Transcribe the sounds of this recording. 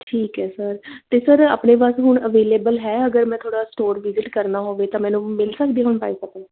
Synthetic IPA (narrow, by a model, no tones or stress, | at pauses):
ʈʰiːkɦɛːsəɾt̪eːsəɾa̰ːpneːpaːsɦʊɳəʋeːleːbəlɦɛːəɡəɾmɛ̃ːt̪ʰoːɽaːsʈoːɾʋɪzɪʈkəɾnaːɦoːʋeːt̪ãːmɛ̃ːnũːmɪlsəkd̪iːɦʊɳpaːiːsək̚ẽː